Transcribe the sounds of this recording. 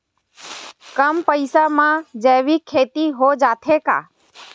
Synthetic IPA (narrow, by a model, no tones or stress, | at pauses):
kəmpəɪsamãːd͡ʒɛːʋiːkʰːeːt̪iːɦoːd͡ʒaːt̪ʰeːka̰ː